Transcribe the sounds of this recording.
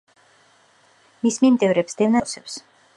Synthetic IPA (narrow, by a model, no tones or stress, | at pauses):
mismimd̪ɛvɾɛpsd̪̥ɛvnasɛps